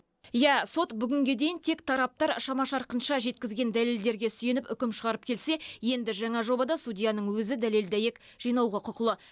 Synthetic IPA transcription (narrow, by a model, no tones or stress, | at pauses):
jæso̞t̪bʏɡʲɪŋɡʲe̞d̪e̞jɪnt̪ʰe̞kt̪ʰɑɾɑp̚t̪ɑɾʃɑmɑʃɑɾqənʃɑʒe̞t̪̚kʲɪzɡʲe̞nd̪æle̞ld̪e̞ɾɡʲe̞sʏje̞nɪpʏkʲɪmʃəʁɑɾəp̚kʲʰe̞lse̞je̞nd̪ɪʒɑɴɑʒo̞bɑd̪ɑsudʲijɑnəɴwɵzɪd̪æle̞ld̪æje̞k | ʒ̥ijnɑwʁəqʰʊqəlˠə